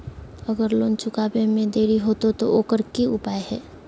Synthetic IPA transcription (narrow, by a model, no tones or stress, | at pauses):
əɡəɾloːnt͡ʃʰʊkaːbẽmẽd̪eːɾiɦot̪ot̪o̰ʔoːkəɾkiʊpaːehɛː